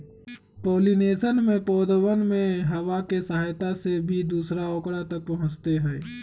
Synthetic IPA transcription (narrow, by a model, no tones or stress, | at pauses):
poːlineːʃənmẽpɔːd̪wənmẽɦɐwakesɐɦaːjt̪asebʱid̪uːsɾaoːkɽat̪ɐk̚pɐɦʊ̃t͡ʃt̪eɦɛː